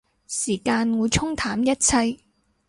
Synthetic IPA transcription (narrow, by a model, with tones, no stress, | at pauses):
siː˨˩kaː˧nwuː˨˧jt͡sʰʊ˥ŋt̪ʰaː˨˥mjɐ˥t̚t͡sʰɐ˧j